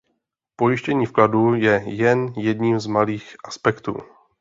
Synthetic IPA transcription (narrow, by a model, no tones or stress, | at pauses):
pojɪʃcɛɲiːfkladujɛjɛnjɛdɲiːmzmaliːxʔaspɛkt̪ṵː